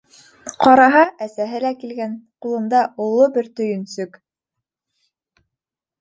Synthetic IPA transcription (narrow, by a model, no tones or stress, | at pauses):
qɑɾɑɦɑʔæsæɦɘlækilɡænqulˠɤ̆nd̪ɑʔulˠːobɘɾt̪ɵ̆jɵ̆nsɵk